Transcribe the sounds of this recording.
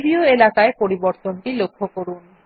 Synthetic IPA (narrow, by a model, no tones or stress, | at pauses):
bɾioelakaepoɾiboɾt̪onʈilokʰːokoɾun